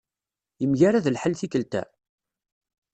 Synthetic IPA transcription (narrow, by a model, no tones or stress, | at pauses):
jəmʝaɾaðəlħəlθikəlt̪æ̰